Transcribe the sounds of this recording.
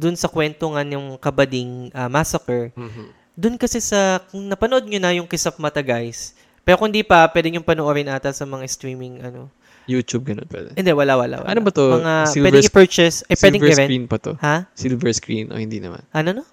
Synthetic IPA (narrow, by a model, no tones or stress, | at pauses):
d̪ʊnsɐkwɛnt̪oŋanjʊŋkɐbɐd̪iŋʔɐmasɐkɛɹ | d̪ʊnkɐsɛsɐnɐpɐnoʔo̞d̪̚ɲonɐjʊŋkɪsɐp̚mɐt̪ɐɡajs | pɛːɾokʊnd̪ipɐpwɛd̪ɪɲʊŋpɐnoʔoɾɪnʔaːt̪ɐsɐmɐŋast̪ɾiːmɪŋʔɐno̞ | jut̪ub̚ɡɐnonpwɛ̰d̪ɛɪnd̪ɛʔwɐlawɐla̰wɐ̰ʔɐ̰no̰bɐt̪omɐŋaiɛvɛɪpɛɹt͡ʃɛsɐjpwɛd̪ɛŋɛɾɛinpɐt̪o̰hasilvɛɹskɾinʔo̰hɪnd̪inɐ̰ma̰nʔɐnono